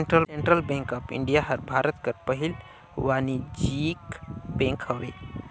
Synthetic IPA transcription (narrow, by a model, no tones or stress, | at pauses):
ɳʈɾəlsẽɳʈɾəlbẽŋkəpɪ̰̃ɳɖijaɦəɾbʱaːɾət̪kəɾpəɦil | waːnid͡ʒikbẽŋkhəɾḛ